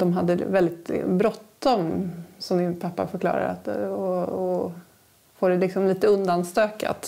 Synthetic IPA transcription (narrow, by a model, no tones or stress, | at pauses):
d̪̥ɔmɦad̪ːəvɛld̪ɪt̪bɾɔt̪ːɔmsɔmd̪ɪnpʰapːa̰fœɾkʰlɑ̰ːɾa̰ɾa̰t̪ɔɔ | foːɖɛlɪksɔmliːt̪əɵnd̪anst̪øːka̰t̪